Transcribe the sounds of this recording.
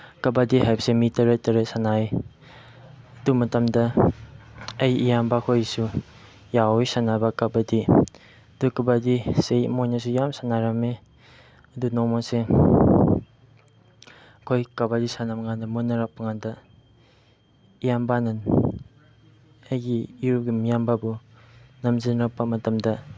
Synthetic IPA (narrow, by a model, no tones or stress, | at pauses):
kɐbadiɦajbəsemitɐɾetɐɾəsanaj | ədumɐtɐmdɐ | ɐjijambakʰojsu | jawojsanabakabadi | ɐdukabadisejmojnasujamsanaɾame | ɐdunɔmase | kʰojkabadisanamŋandɐmunːɐɾak̚paŋandɐ | ijambanan | ɐjɡiːɾuɡimijambabu | nɐmzinɾak̚pɐmɐtɐmdɐ